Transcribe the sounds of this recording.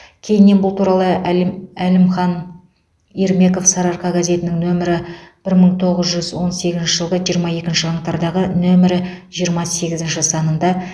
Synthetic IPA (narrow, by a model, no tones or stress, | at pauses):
kʲʰe̞jɪnːe̞nbʊlˠt̪ʰuɾɑlˠəælɪmχɑn | eɾme̞ko̞fsɑɾɑɾqʰɑɡɑze̞t̪ɪnɪŋnɵmɪɾɪb̥ɪɾməɴt̪ʰo̞ʁəzʒʏzwo̞nse̞ɡʲɪzɪnʃɪʒəlˠʁəʒijəɾmɑje̞kʲɪnʃɪɑɴt̪ɑɾd̪ɑʁənɵmɪɾɪʒ̥ijəɾmɑse̞ɡʲɪzɪnʃɪsɑnənd̪ɑ